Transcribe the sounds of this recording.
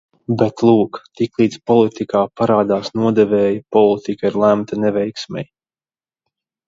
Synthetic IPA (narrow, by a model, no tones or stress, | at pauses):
bɛt̪lˠuːkt̪iklˠiːd̪zpɔlˠit̪ikaːpaɾaːd̪aːsnuɔd̪ɛvɛːjpɔlˠit̪ikaiɾlˠæmt̪anɛvɛjksmʲɛ̰j